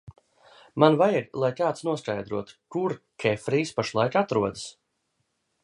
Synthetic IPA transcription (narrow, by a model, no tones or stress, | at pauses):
manvajiɡlˠajkaːt̪snuɔskajd̪ɾuɔt̪u̥kuɾkʰʲɛfɾiːspaʃlˠajkat̪ɾuɔd̪əs